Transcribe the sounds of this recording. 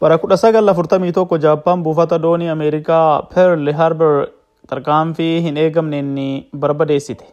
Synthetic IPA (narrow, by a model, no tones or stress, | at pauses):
wɐɾɐkʊᶑɐsɐɡɐlɐfʊɾt̪ɐmiːt̪ɔkːɔd͡ʒaːpːaːnbuːfɐt̪ɐd̪o̞ːniːɐmeːɾɪkaːpʰɛɾlɦɐɾbɛɾ | t̪ɐɾkaːnfɪɦɪne̞ːɡɐmnɛnːɪbɐɾbɐd̪e̞ːsːɪt̪ɛ̥